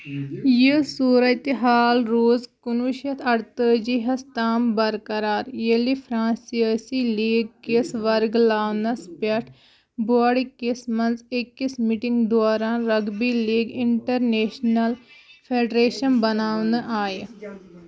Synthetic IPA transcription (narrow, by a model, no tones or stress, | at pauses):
jisuːɾət̪ɦaːlɾoːzkʊnuʃɐt̪ʰɐɽt̪əd͡ʒiɦɐst̪aːmbɐɾkɐɾaːɾjelipʰɾãːnsiəsiliːɡ̚kisʋɐɾɡlaːʋnɐspɐʈʰ | boaːɽikismɐnzekːismiʈɪŋɡd̪ʊaːɾãːɾɐɡbiliːɡɪɳʈɐɾneːʃnɐlpʰeːɖɾeːʃɐnbɐnaːʋnəʔaːj